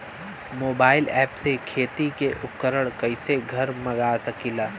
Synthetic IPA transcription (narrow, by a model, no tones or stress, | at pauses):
moːbaːɪlɛːpsekʰeːt̪ikeʔʊp̚kəɾəɽ̃kɐɪseɡʱɐɾmɐɡaːsɐkilaː